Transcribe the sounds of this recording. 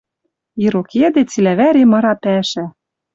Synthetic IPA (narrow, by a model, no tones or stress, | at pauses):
iɾoked̪et͡silæβæɾemɤ̆ɾɑpæʃæ